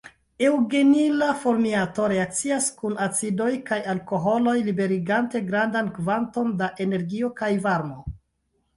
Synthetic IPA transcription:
e̞wɡenilafo̞ɾmiato̞ɾe̞ak̚t͡siaskunat͡sido̞jkajalko̞ɦo̞lo̞jlibe̞ɾiɡante̞ɡɾandankvanto̞ndaʔe̞ne̞ɾɡio̞kajvaɾmo

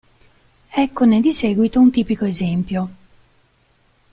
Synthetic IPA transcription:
ɛkːoned̪isɛːɡwit̪ount̪iːpikoezɛmpjo

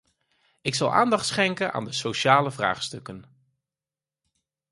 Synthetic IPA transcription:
ɪksɑ̰lˠʔa̰ːndɑχtsχɛŋkənʔa̰ːndəsowʃaːləvra̰ːχstɵkən

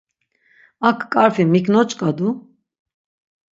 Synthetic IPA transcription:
akʰːʼaɾfimikʰʼnɔt͡ʃʼkʼad̪u

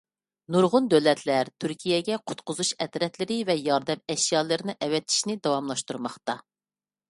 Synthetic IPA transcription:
nuɾʁʊnd̪ølɛt̪ʰlæɾt̪ʰyɾkʲʰijɛɡʲɛqʰʊ̥t̪qʰʊzuʃɛt̪ɾɛt̪lɪɾɪvɛjɑɾd̪ɛmɛʃjɑːlˠɨɾɪnɨʔɛwɛt̪ʰːi̥ʃnɪd̪ɑwɑmlˠɑʃt̪uɾmɑχt̪ɑ

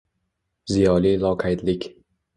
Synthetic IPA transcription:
zijɒlilˠɒqʰajd̪lɪkʲ

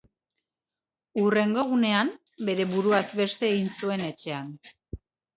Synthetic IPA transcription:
ure̞ŋɡo̞ɣ̞une̞am | be̞ɾe̞βuɾuazbe̞st̪e̞ːɣinsue̞ne̞t͡ʃe̞an

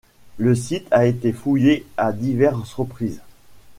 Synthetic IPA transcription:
ləsit̪ʰaet̪efujead̪ivɛʁsʁəpχiːz

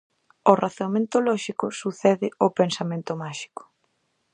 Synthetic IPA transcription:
ʊraθmẽnt̪olɔʃikʊsuθɛðɪopensamẽnt̪ʊmaʃi̥kʊ̥

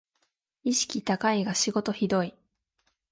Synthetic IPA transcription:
iɕi̥kʲit̪akaiɡaɕiɡo̞t̪o̞çid̪o̞i

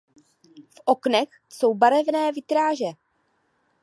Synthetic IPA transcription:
fʔo̞knɛx | so̞wbaɾɛvnɛːvɪt̪ɾaːʒɛ

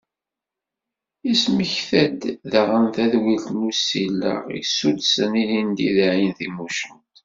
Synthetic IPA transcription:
isməçθæd̪ðəʁənθæðwilt̪nusilːə̰ʁḭsud̪sənilind̪iðʕinθimuʃənt̪

